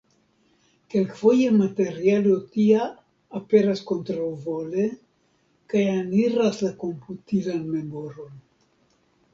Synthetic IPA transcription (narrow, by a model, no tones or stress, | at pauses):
ke̞lkfo̞je̞mate̞ɾialotiaː | pe̞ɾasko̞ntɾawvole̞ | kajaniɾaslako̞mpʰutilanme̞mo̞ɾo̞n